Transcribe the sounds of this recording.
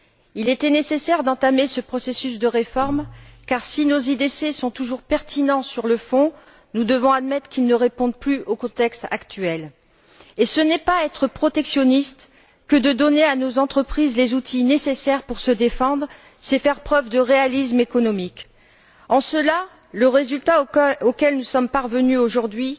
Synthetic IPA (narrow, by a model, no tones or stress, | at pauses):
ilet̪ɛnesesɛʁd̪ɑ̃t̪amesəpχɔsesys̬d̪əʁefɔʁmkaʁsinozid̪esesɔ̃t̪uʒuʁpɛʁt̪ʰinɑ̃syʁləfɔ̃ | nud̪əvɔ̃ad̪mɛt̪χəkʲilnəʁepɔ̃d̪plyʔokɔ̃t̪ɛkst̪a̰kt̪ɥɛl | esənɛpaɛt̪χəpχɔt̪ɛksjɔnist̪ | kəd̪əd̪ɔneanozɑ̃t̪χəpχizlezut̪ʰinesesɛʁpuʁsəd̪efɑ̃d̪ʁ | sɛfɛʁpχœvd̪əʁealismekɔnɔmik | ɑ̃səla | ləʁezylt̪aokʲɛlnusɔmpaʁvənyoʒuʁd̪ɥi